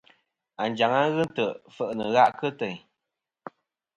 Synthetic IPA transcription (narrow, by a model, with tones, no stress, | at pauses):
a˨nd͡ʒa˨ŋa˦ɣɨ˦n˦tə˨fə˦˨ʔnə˨ɣa˦ʔkə˦tə˨ɲ